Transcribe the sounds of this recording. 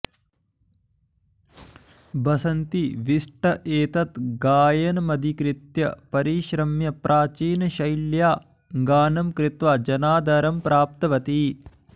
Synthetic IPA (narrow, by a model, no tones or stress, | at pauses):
bʱɐsɐnt̪iʋiʂʈɐʔeːt̪ɐt̪ɡaːjɐnɐmɐd̪ʱikɾit̪jɐpɐɾiʃɾɐmjɐpɾʔaːt͡ʃiːnɐʃɐjljaː | ŋɡaːnɐmkɾɪt̪ʋad͡ʒɐnaːd̪ʱɐɾɐmpɾaːp̚t̪ɐʋɐt̪i